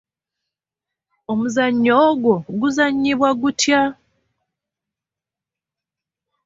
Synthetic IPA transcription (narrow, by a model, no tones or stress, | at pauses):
omuzaɲːoːɡwoɡuzaɲːiβwaɡutja